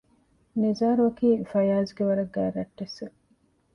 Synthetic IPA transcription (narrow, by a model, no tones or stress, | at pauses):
nizaːɾuɐkiːfɐjaːzɡeʋɐɾɐɡːæːɾɐʈːese